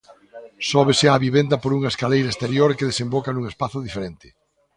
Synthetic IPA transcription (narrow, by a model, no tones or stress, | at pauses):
sɔβesɪaβiβend̪ɐpoɾuŋaeskalejɾaest̪eɾjoɾkeðesembɔkanuŋespaθʊðifeɾent̪ɪ̥